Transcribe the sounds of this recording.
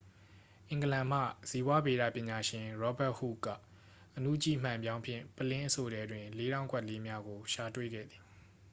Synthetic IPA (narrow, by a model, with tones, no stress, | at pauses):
ʔɪ̃˨ŋɡəlã˨m̥ä̰˦˨z̥i˨bwa˦be˨ɾä̰˦˨pjɪ̃˨ɲa˨ʃɪ̃˨ɹɔ˦ba˦ʔhṵ˦˨kä̰˦˨ | ʔənṵ˦˨t͡ɕḭ˦˨m̥ã˨mbjã˦ʊ̃pʰjɪ̰̃˦˨pəlɪ̃˦ʔəso˨ɾɛ˦dwɪ̃˨le˦ɾã˦ʊ̃kwɛ˦ʔle˦mja˦ɡo˨ʃa˨twḛ˦˨ɡɛ̰˦˨d̪ði̥˨